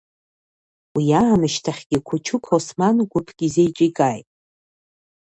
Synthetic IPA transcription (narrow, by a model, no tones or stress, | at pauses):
wijaːnɨʃtʰaχʲɡ̥ʲɪkʷʰʊt͡ʃʰʊkʰosmanɡʷʊpʰɡ̥ʲizejt͡ʃʼikʼajtʼ